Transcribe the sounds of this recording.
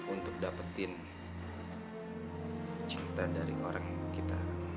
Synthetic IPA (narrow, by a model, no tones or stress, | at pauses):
unt̪ʊk̚dapət̪ɪn | t͡ʃiɾit̪adaɾiʔoɾaŋkit̪a